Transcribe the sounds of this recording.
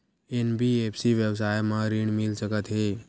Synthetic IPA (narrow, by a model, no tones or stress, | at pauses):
enbiepʰsiʋjəʋs̬ajmãɾiɳmilsəkət̪ɦe